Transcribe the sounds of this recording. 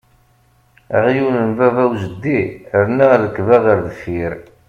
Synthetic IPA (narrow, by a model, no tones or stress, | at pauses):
æ̰ʁjuwnənvævæwzəd̪ːiəɾnæɾəkːvæðəɾðəfːiɾ